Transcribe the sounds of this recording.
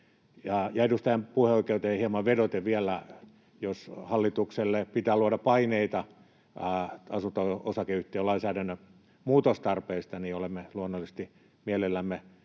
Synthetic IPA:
jɑjɑedust̪ɑjɑmpuheoikeut̪eeihiemɑʋʋedot̪eʋʋiælːˑæ | joshɑlːit̪ukselːepit̪æːluodɑpɑineit̪ɑ | ɑsunt̪oosɑkeyht̪eølɑinsæːdænːø | muːt̪ost̪ɑrpeist̪ɑniolemːeluonːolːisest̪i | mielelːæmːe

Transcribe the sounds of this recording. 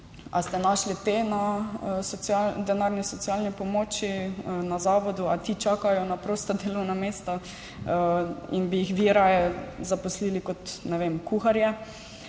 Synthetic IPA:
a̰st̪ɛnaʃlit̪enasɔsad̪ɛnaɾnisɔt̪sjalnipɔmoːt͡ʃinazaːʋɔd̪uat̪it͡ʃaːkajɔnapɾoːst̪ɔd̪eːlɔwnameːst̪a | ḭnbijixʋiɾajɛzapɔsliːlikɔt̪nɛʋemkuxaɾjɛ

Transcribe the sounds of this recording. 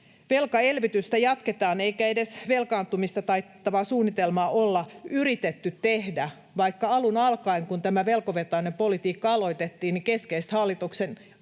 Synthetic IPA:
ʋe̞lkɑe̞lʋit̪yst̪æjɑt̪ket̪ɑːneikæedesʋe̞lkɑːnt̪umist̪ɑt̪ɑi | ɑʋɑːsuːnːit̪elmɑːʔolːɑyrit̪et̪ːyt̪t̪ehdæ | ʋɑikːɑɑlunɑlkɑiŋkunt̪æmæʋe̞lkoʋet̪ɑːnempolit̪iːkːɑɑlo̞it̪et̪ːiːnikeskeist̪hɑlːit̪uksen

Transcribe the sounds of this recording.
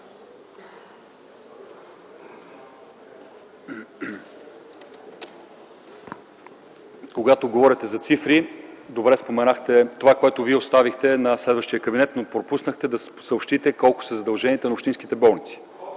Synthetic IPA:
koɡat̪oɡovɔɾʲət̪ɛzɐt̪sifɾid̪obɾɛspomɛnaxt̪ɛt̪ovakoɛt̪oviɛost̪avixt̪ɛnɐslɛd̪vəʃt̪ijəkɐbinɛt̪nopɾopusnəxt̪ɛd̪ɐs | səopʃt̪it̪ɛkɔlˠko̥sɛzɐd̪ɐlˠʒɛniɛt̪ənɐopʃt̪inskit̪ɛbɔlˠnit̪si̥

